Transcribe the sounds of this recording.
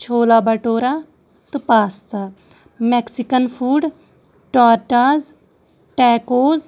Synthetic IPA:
t͡ʃʰoːlaːbɐʈoːɾa | t̪ɨpaːst̪a | meksikənpʰuːɖ | ʈaːɾʈaːz | ʈɛːkoːz

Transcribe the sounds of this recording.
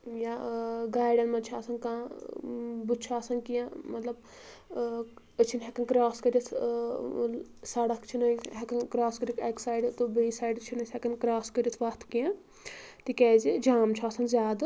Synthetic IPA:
jaɡaːjɖɐnmɐnt͡ʃʰaːsɐnkãː | but͡ʃʰaːsɐnkijãmɐt̪lɐb | ət͡ʃʰinʲɦɛkɐnkɾaːskəɾit̪ʰ | sɐɽɐkt͡ʃʰinɐɦɛkɐnkɾaːskəɾʲikʰeksaːiɖt̪ubəisaːjɖt͡ʃʰinɐshɛkɐnkɾaːskəɾʲit̪ʰʋɐt̪ʰkijã | t̪ikɛːzid͡ʒaːmt͡ʃʰaːsɐnzʲaːd̪

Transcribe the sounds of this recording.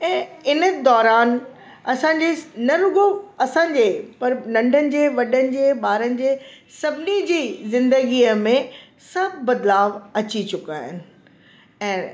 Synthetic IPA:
ɛ̃ːɪnə̆d̪ɔːɾaːn | ɐsãɲd͡ʑenɐɾʊɡoɐsãːɲd͡ʑeːpɐɾnɐ̃ɳɖʱənɪ̆d͡ʑeːʋɐɗənɪ̆d͡ʑeːɓaːɾənɪ̆d͡ʑeː | sɐbʱɪnid͡ʑiːzɪ̃nd̪əɡiːəmẽ | sɐb̚ʱːɐd̪laːʋɐt͡ɕit͡ɕʊkaːɦɪnɪ̆ | ɛ̃ː

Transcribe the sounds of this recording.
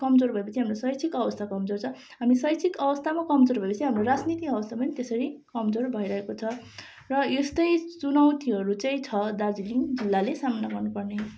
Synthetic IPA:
kʌmd͡zorbʱʌepʌt͡sʰiɦamrosʌjt͡sʰikʌbʌst̪ʰakʌmd͡zort͡sʰʌ | ɦamisʌjt͡sʰikʌbʌst̪ʰamakʌmd͡zoɾbʱʌepʌt͡sʰiɦamroɾad͡znit̪iʌbʌst̪ʰapʌnt̪esʌɾikʌmd͡zorbʱʌijɾʌɦekot͡sʰʌ | rʌest̪ʌjt͡sunʌwt̪iʌɾut͡sʌj̃t͡sʰʌd̪ard͡ziliŋd͡zilːalesamʌnaɡʌrnupʌrne

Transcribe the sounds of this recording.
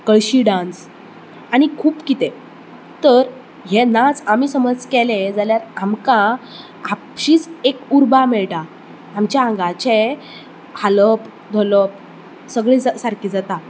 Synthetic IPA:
kəɭɕiːɖãns | aɽ̃ikʰuːpkit̪e | t̪əɾ | ɦenat͡samiːsəməd͡zkeled͡zaljaɾamka | a | ɕiːt͡sekuɾbamɛɭʈaː | mt͡ɕjaãŋɡat͡ɕe | haləp | d̪ʱoləp̚ | səɡɭed͡zasaɾkiːd͡zat̪a

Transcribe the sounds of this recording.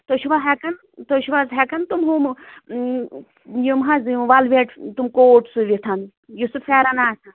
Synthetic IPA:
t̪oʃʰuʋaɦekɐn | t̪oʃuʋazɦekɐnt̪umɦum | jumɦɐzjũʋɐlʋeʈt̪umkoːʈsuʋit̪ʰɐn | jusufʰɛːɾɐnaːsɐ

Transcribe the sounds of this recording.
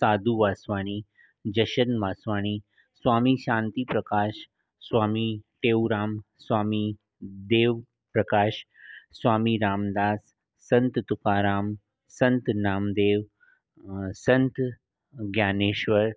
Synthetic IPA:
saːd̪ʱuʋaːsʋaːɽ̃i | d͡ʒɐʃənʋaːsʋaːɽ̃i | sʋaːmiʃãːnt̪ipɾɐkaːʃ | sʋaːmiʈeːwɾaːm | sʋaːmi | d̪eːʋ | pɾɐkaːʃ | sʋaːmiɾaːmd̪aːsː | ɐnt̪t̪ukaːɾaːm | sɐnt̪naːmd̪eːʋ | sɐnt̪ | ɡjaːneːʃʋəɾ

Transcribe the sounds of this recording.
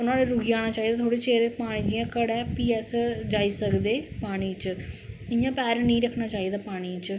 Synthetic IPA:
ʊnãːleːɾʊɡiaːnaːt͡ʃaːiːd̪aːt̪ʰoːɽeːt͡ʃeːɾepaːɽ̃ĩd͡ʒɪjãːkəɽɛːpiːɛsd͡ʒaːiːsəkd̪eːpaːɽ̃iːt͡ʃɪjãːpɛːɾnĩĩːɾəkʰnaːt͡ʃaːiːd̪aːpaːɽ̃iːt͡ʃ

